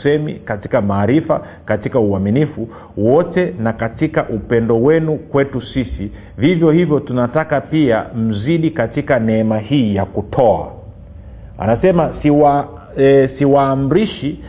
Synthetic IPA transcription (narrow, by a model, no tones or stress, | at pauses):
sɛmḭkati̥kamaːɾifa̰ | katikauaminifu | wɔtɛnakatikaʔupɛndɔwɛnukwɛtusisi | vivjɔhivjɔtunatakapia̰m̩ziɗikatikanɛɛmahiːjakutʰɔa̰ | a̰nasɛmasia | siwaːm̩ɾiʃi